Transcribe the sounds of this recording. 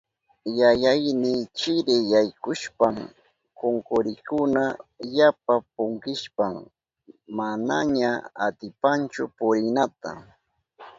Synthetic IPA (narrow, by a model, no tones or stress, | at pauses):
jajajnɪt͡ʃɪɾɪjajkʊʃpam | koŋkʊɾɪkʊnajap̚ap̚ʊŋkɪʃpaŋ | manaɲaa̰t̪ɪpant͡ʃʊpʊɾɪnat̪a̰